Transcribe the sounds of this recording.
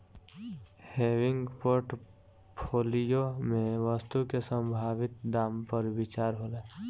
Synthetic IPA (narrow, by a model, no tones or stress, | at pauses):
hewɪŋɡpoɾʈ | pʰolijomẽʋəst̪ukesə̃mbʱaʋɪt̪̚d̪aːmpəɾbit͡ʃaɾɦolɛ